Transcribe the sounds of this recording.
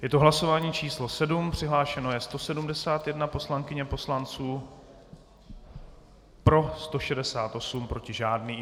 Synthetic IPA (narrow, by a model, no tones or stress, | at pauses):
jɛt̪oɦlaso̞vaːɲiːt͡ʃiːslo̞sɛdumpr̝̥ɪɦlaːʃɛno̞jɛst̪o̞sɛdumdɛsaːt̪jɛdnapo̞slaŋkɪɲɛpo̞slant͡suː | pɾo̞st̪o̞ʃɛdɛsaːt̪ʔo̞sumpɾo̞cɪʒaːdniː